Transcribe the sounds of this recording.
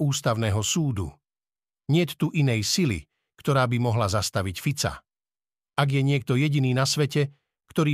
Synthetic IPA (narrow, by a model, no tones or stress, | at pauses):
uːst̪aʊnɛːɦɔsuːd̪ṵ | ɲɪɛt̪t̪ːuʔinɛjsilḭ | kt̪ɔɾaːbimɔɦlazast̪aʋicfit͡sa̰ | aɡjɛɲɪɛk̚t̪ɔjɛɟiniːnasʋɛcɛ | kt̪ɔɾiː